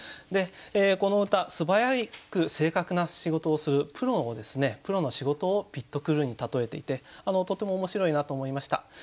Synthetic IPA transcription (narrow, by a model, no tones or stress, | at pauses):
d̪e̞eːko̞no̞ɯ̟t̪asɨbajaikɯ̟se̞ːkakɯ̟naɕiɡo̞t̪o̞ːsɨɾɯ̟pɯ̟ɾo̞od̪e̞sɨne̞pɯ̟ɾo̞no̞ɕiɡo̞t̪o̞ːpʲit̪ːo̞kɯ̟ɾɯ̟ɲ̟it̪at̪o̞e̞t̪e̞it̪e̞ano̞t̪o̞t̪ːe̞mo̞ːmo̞ɕiɾo̞inat̪o̞ːmo̞imaɕi̥t̪a̰